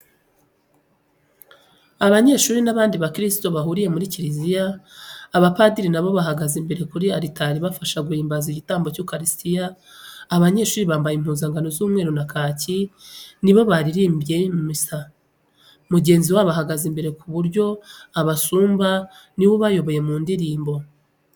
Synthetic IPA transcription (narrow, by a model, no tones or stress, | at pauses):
aβaɲe̞ːʃuːɾinaβaːndiβakɾisto̞βaɦuɾije̞muɾiciɾizijaː | βapadiɾinaβo̞βaɦaɡazimbe̞ɾe̞kuɾiaɾitaɾiβafaʃaɡuhiːmbaziɟitaːmbo̞cukaɾistijaː | βaɲe̞ʃuːɾiβaːmbajim̥huːnzaŋɡano̞zuːmŋe̞ːɾunakaːciniβo̞βaɾiɾiːmbje̞mumisa | muɟe̞ːnziwaːβaɦaɡazimbe̞ɾe̞kuβuɾɟo̞aβasuːmba | niwoβajo̞βo̞je̞muːndiɾiːmbo̞